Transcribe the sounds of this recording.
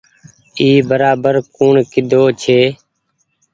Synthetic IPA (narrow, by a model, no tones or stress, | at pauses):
iːbəɾaːbəɾkuːɳkɪd̪ʱoːt͡ʃʰeː